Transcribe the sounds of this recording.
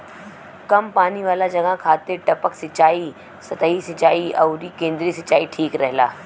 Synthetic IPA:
kɐmpaːniʋaːlad͡ʒɐɡaɦkʰaːt̪eʈɐpəksɪt͡ʃaːi | sɐt̪əɦisɐt͡ʃaːiɐːɾikẽːnd̪ɾisɐt͡ʃaːiʈʰiːkɾɛɦla̰ː

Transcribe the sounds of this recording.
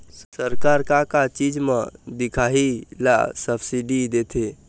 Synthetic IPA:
səɾkaːɾkakat͡ʃiːd͡ʒmãd̪ɪkʰaːɦila̰səbsiɖid̪eːt̪ʰe

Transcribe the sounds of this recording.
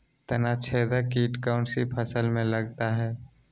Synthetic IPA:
t̪ɐnat͡ʃʰɛːd̪akiːʈkaːʊ̃ɳʈsipʰəsəlmẽlɐɡt̪aɦɛː

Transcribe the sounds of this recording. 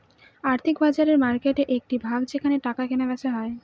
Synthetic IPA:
aɾt̪ʰikbad͡ʑaɾeɾmaɾkeʈeʔek̚ʈibʱaɡd͡ʑekʰaneʈakakʰenebɛʃeɦɔe

